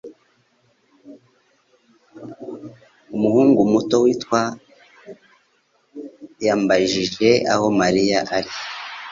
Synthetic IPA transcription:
umuhuːŋɡumuto̞wiːtwa | jaːmbaʒiʒe̞a̰ho̞maɾijaʔaɾi

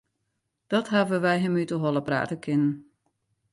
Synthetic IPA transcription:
d̥ɔtɦavəʋɛjɦɛmytəɦɔlˠəpra̰ːtəkʰɪnən

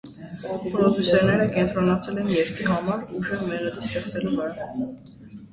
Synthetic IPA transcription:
pɾɔd̪jusɛɾnɛɾəkɛnt̪ʰɾɔnɑt͡sʰɛlɛnjɛɾkʰiɦɑmɑɾuʒɛmɛʁɛd̪ist̪ɛχt͡sɛluvɛɾɑ

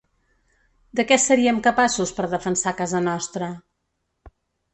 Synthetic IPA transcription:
d̪əkɛsəɾiəmkəpasuspəɾðəfənsakazənɔst̪ɾə

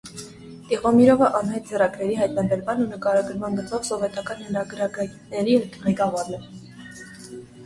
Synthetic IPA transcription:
t̪iʁɔmiɾɔvəʔɑnhɑjt̪̚d͡zɛrɑɡɾɛɾiɦɑjt̪̚nɑbɛɾmɑnunəkɑɾɑɡəɾmɑnɡət͡sʰɔvsɔvɛt̪ɑkɑnhɛnɑɡɾɑɡnɛɾiʁɛkɑvɑɾnɛɾ

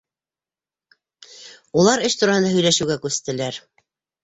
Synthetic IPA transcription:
ulˠɑɾɘʃt̪uɾɑhɤnd̪ɑɦɵ̆jlæʃɘ̆wɡækʉst̪ɘ̆læɾ

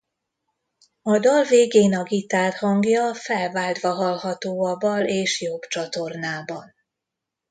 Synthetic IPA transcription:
ɒd̪ɒlveːɡeːnɒɡit̪aːrhɒŋɡjɒfɛlvaːld̪vɒɦɒlɦɒt̪oːɒbɒleːʃjobt͡ʃɒt̪o̞rnaːbɒn

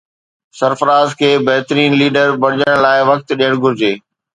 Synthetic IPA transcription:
sɐɾfəɾaːzkʰeːbɐɦɪt̪ɾiːnliːɖəɾbɐɽɪʄəɽ̃laːɪʋɐk̚t̪ɗijəɽ̃ɡʱʊɾɪd͡ʑeː

